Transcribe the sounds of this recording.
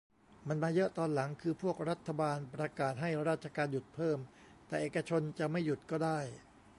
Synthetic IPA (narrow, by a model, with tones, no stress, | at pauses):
ma˧nmaː˧jɤ˦˥ʔt̪ɔː˧nla˩˦ŋkʰɯː˧pʰu˥˩ək̚ɾa˦˥t̪ʰːa˧baː˧npɾa˧kaː˨˩t̪̚ɦa˥˩jɾaː˥˩t̪̚t͡ɕʰa˧kaː˧nju˨˩t̪̚pʰɤː˥˩m | t̪ɛː˨˩ʔeː˨˩kːa˧t͡ɕʰo˧nt͡ɕa˨˩ma˥˩jːu˨˩t̪̚kɔː˥˩daː˥˩j